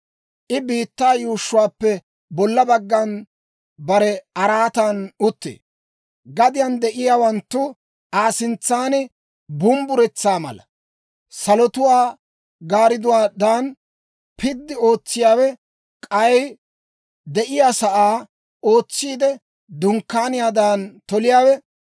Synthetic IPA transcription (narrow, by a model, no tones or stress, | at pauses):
ʔɪbiːt̪ːaːjuːʃːʊwaːpːɛ | bɔlːɐbɐɡːɐn | bɐɾɛɐɾaːt̪anʊt̪ːḛː | ɡɐd̪ɪjɐnd̪ɛʔɪjaːwɐnt̪ːʊ | aːsɪnt͡sːaːnɪ | bʊmbʊɾɛt͡sːaːmɐ̰lɐ̰ | sɐlɔt̪ʊwaː | ɡaːɾɪd̪ʊwaːd̪aːn | pʰɪd̪ːɪo̞ːt͡sːɪjaːwɛ | kʼɐj | d̪ɛʔɪjaːsɐʔaː | o̞ːt͡sːiːd̪ɛ | d̪ʊŋkːaːnɪjaːd̪aːnt̪ɔlɪjaːwɛ